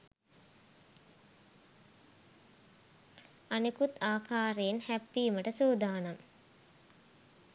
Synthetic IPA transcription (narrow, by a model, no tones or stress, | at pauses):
anekut̪aːkʰaːɾeːnhæpːiːməʈəsuːd̪aːnam